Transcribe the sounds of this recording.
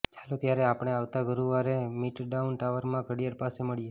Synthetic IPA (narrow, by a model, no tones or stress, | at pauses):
t͡ʃalot̪jaɾeapɽ̃eaʋt̪aɡəɾuʋaɾemiʈɖaunʈaʋəɾmãɡʱəɽijəɾpaseməɭije